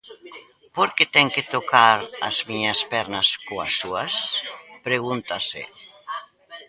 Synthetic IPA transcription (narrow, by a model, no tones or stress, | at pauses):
poɾket̪ɛŋket̪okaɾɐ̰zmiɲaspɛɾnaskoa̰suɐspɾeɣ̞unt̪asɪ̰